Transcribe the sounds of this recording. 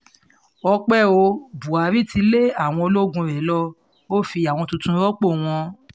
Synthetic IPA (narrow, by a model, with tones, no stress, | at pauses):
ɔ˧k͡pɛ˦˨o˧bu˨a˨˦ɾi˦˨ti˧le˦a˦˨w̃ɔ̃˧o˧lo˦ɡũ˧ɾɛ˨˦lɔ˧ | o˦fi˧a˨w̃ɔ̃˧tũ˧tũ˧˦ɾɔ˦k͡po˦˨w̃ɔ̃˧